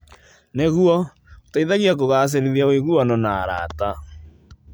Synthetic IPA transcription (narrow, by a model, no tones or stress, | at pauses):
neɣuɔ | otaiðaɣiak̬oɣas̬eɾeðjaoeɣuanɔnaɾa̰ta